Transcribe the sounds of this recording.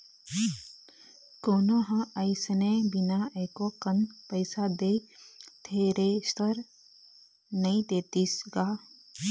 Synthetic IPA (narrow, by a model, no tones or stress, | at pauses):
koːnoːɦɐ̃əɪsnebinaʔeːkoːkənpəɪsad̪eːt̪ʰeːɾest̪əɾ | nɐĩt̪eːt̪isɡaː